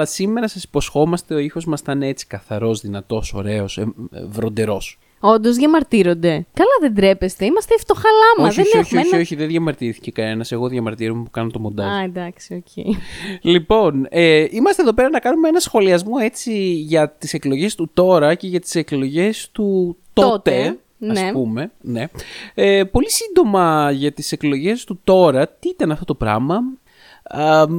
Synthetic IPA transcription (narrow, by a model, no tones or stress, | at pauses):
lɐsime̞ɾɐsɐsi̥po̞sxo̞mɐst̪e̞o̞ixo̞zmɐst̪ɐneet͡si̥kɐθɐɾo̞zðinɐt̪o̞so̞̰ɾe̞o̞sevɾo̞nd̪e̞ɾo̞s | o̞nd̪o̞zðʝɐmɐɾt̪iɾo̞nd̪e̞kɐlɐðend̪ɾe̞pest̪e̞imɐst̪eːft̪oxɐlɐmoɐðençeoxçiiçio̞çiðeðʝɐmɐɾt̪iθi̥cekɐne̞nɐse̞ɣo̞ðʝɐmɐɾt̪iɾomepukɐnot̪omond̪ɐɐd̪ɐksioceilipo̞neʔimɐst̪eðo̞pe̞ɾɐnɐkɐnumeenɐsxo̞liɐzmo̞e̞t͡siʝɐt̪ise̞klo̞ʝe̞st̪ut̪o̞ɾɐce̞ʝɐt̪i̥se̞klo̞ʝe̞st̪ut̪ot̪e | nɐsepume̞ne̞epo̞lisind̪o̞mɐʝɐt̪ise̞klo̞ʝe̞st̪ut̪o̞ɾɐt̪iit̪ɐnɐft̪ot̪o̞pɾɐ̰mɐ | ɐ